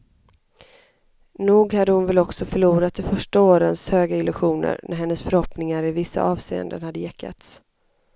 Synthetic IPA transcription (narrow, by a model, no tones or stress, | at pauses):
nuːɡhad̪ːəhʊnvɛlɔksɔfœɭuːɾat̪̚d̪ɛfœʂʈaoːɾənshøːɡaɪlɵɧuːnə̰ɾnʔæɾhɛnːəsfœɾhɔpnɪŋaɾɪvɪsːa̰ʔɑːvsḛːə̰nd̪ənhad̪ːəjɛkʰːa̰t̪s